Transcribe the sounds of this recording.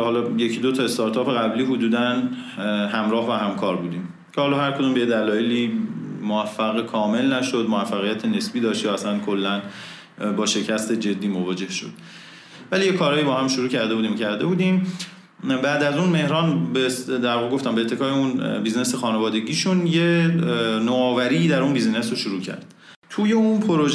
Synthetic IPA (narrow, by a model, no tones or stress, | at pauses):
hɒːlɒje̞cʰid̪o̞t̪ʰɒːe̞st̪ɒːɾt̪ʰɒːpʰe̞ɣæbliːɦod̪uːd̪æn | hæmɾɒːhvæɦæmkʰɒːɾbuːd̪iːm | cʰehɒːlɒːhæɾkʰod̪uːmbejed̪ælɒːjeliːmoæfːæɣekʰɒːme̞lnæʃo̞d̪movæfːæɣijæt̪ʰene̞sbiːd̪ɒːʃt̪jɒːæslænkʰo̞lːæn | bɒːʃe̞cʰæst̪e̞d͡ʒe̞d̪ːiːmovɒːd͡ʒe̞hʃo̞̰d̪̥ | væliːjekʰɒːɾɒːjiːbɒːhæmʃuɾuːcʰæɾd̪e̞bud̪iːmcʰæɾd̪e̞buːd̪iːm | bæʔd̪æzuːnme̞hɾɒːnbed̪æɾɒɣeɡo̞ft̪æmbeːt̪ʰːe̞kʰɒːeunbiːzne̞sexɒːnevɒːd̪e̞ɟiːʃunje | noɒːvæɾiːd̪æɾunbiːzne̞sɾoʃuɾuːcʰæ̰ɾd̪̥ | t̪ʰuːje̞unpʰoɾo̞ʒ